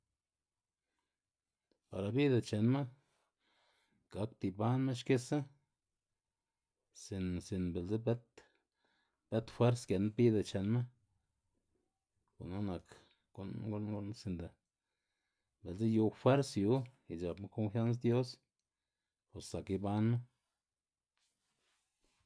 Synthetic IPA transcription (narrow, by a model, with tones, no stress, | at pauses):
pa˨ɾa˨bi˦d̪a˧t͡ʃe˨nma˦ | ɡ̥a˨˦kt̪i˧ba˦nme˦ʃke˦sa˦ | si˨nsi˨nbe˨lze˦be˦t̪ | b̥e˦t̪fwe˦ɾske˨na˦bi˦d̪a˨t͡ʃe˨nma˦ | ko̰˨na˦na˨kː | o˦nɡo˧˦lɡo˧˦lsi˧nd̪a˨ | be˨lze˦ju˧fwe˦ɾsju˨˦i˨d͡ʒa˨bma˦ko˧nfja˦ns̬d̪jo˦s | po˨ssa˨ki˧ba˦nme˦